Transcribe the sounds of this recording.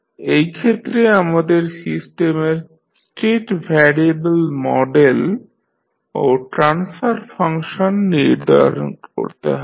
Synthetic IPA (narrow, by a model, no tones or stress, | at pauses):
ejkʰet̪ːɾeamad̪eɾsisʈemeɾ | sʈeʈbʱɛɾiebelmɔɖel | oʈɾansfaɾfʰaŋʃonːiɾd̪ʱa̰ɾo̰nko̰ɾt̪ḛɦɔ